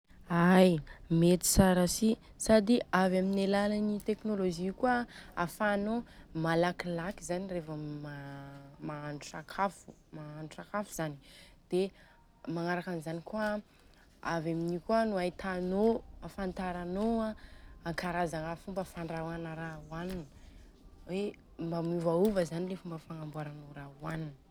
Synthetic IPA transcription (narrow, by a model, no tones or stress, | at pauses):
ajmet̪i̥saɾasi | sad̪iavaminelalanit̪eknoloʒikuaa̰fanomalakilakizanirefəmamaanʈ͡ʂakʰafu | maːnuʈ͡ʂakafuzanid̪̥e | maŋaɾakanizanikuə | avaminikuanuajt̪anoafant̪aɾanoaaŋkaɾazaŋafumbəfaɳɖ͡ʐawanəɾauaninə | we | mbamivauvəzanilefumbəfaŋambuaɾanoɾauaninə